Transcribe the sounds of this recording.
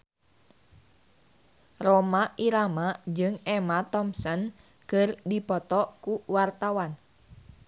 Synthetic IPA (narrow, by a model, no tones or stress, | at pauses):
rɔmaʔiɾamad͡ʒɨŋɛmat̪ɔmsɔn | kɨrdipɔt̪ɔkuwart̪awan